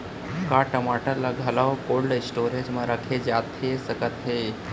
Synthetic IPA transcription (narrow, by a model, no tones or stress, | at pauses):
kaːʈəmaʈəɾlaɡʱɐlawkoːɭɖsʈoːɾed͡ʒmãɾəkʰed͡ʒaːt̪ɦesɐkət̪ɦe